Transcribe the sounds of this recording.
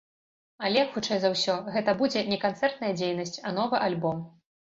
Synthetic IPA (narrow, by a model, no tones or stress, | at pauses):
ɐlʲɛjɐkxut͡ʂɛjzɐwsʲɔɣɛt̪ɐbud͡zʲɛnʲɛkant̪sɛrt̪nɐjɐd͡zʲejnɐsʲt͡sʲɐnɔvɨʔalʲbɔm